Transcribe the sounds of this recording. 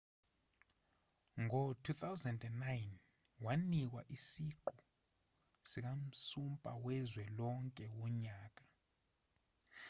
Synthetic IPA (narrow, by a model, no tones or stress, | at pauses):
ŋʱɔtʰut̪ʰawzɛndɛnːajn | wanik̬wa̰ʔisiǃu | sik̬am̩sumpʼawɛzwɛlɔŋkʼɛwɔɲaːk̬ʼa